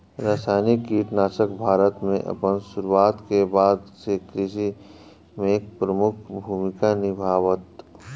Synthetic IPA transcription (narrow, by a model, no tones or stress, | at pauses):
ɾaːsajnikːiʈnaːsəkbʱaːɾət̪mẽʔə̰pənsʊɾuwaːt̪kebaːd̪sekɾɪʃi | meːk̚pɾəmʊkʰbʱuːmɪkanɪbʱaːʋət̪